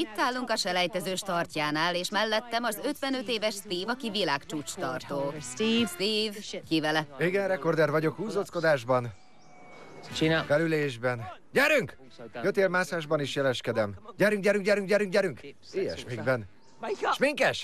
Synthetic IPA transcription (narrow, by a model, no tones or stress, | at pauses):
it̪ːaːlːuŋkɒʃɛlɛjt̪ɛzøːʃt̪ɒrcaːnaːleːʃmɛlːɛt̪ːɛmɒzø̞t̪ʋɛnøt̪eːvɛʃst̪iːvɒkivilaːkt͡ʃuːt͡ʃt̪ɒrt̪oːst̪iːvkivɛlɛiɡɛnrɛko̞rd̪ɛrvɒɟo̞khuːzosko̞d̪aːʒbɒn | ikɛɾyleːʒbɛnɟɛɾyŋk | jøt̪eːlmaːsaːʒbɒniʃjɛlɛʃkɛd̪ɛmɟɛɾyŋk̚ɟɛɾyŋkɟɛɾyŋk̚ɟɛɾyŋk̚ɟɛɾyŋk | iːjɛ̰ʃmiɡbɛn | ʃmiŋkɛʃ